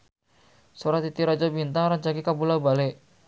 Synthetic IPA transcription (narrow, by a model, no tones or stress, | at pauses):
soɾat̪it̪iɾad͡ʒabint̪aŋɾant͡ʃakikabulabaleʔ